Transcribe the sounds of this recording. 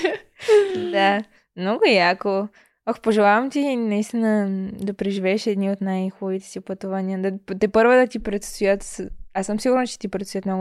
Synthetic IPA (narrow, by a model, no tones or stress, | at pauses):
d̪a | mnɔɡʊjako | ɔxpoʒɛlˠavɐmt̪inɐist̪inəd̪ɐpɾɛʒivɛʃɛd̪niot̪najxubɐvit̪ɛ̥siopɐt̪uvɐniəd̪ɐt̪ɛpəɾvod̪ɐt̪ipɾɛt̪st̪ojət̪asəmsiɡʊɾnət͡ʃɛ̥t̪ipɾɛt̪sʊjət̪mnɔɡʊ